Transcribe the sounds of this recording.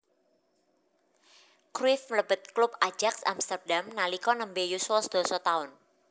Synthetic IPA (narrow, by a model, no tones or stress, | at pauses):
kɾɪfləb̥ə̤t̪̚klʊpḁd͡ʒ̥aksa̰mst̪ərdamnalikɔnəmbejuswɔsd̪̥o̤sɔt̪aʊn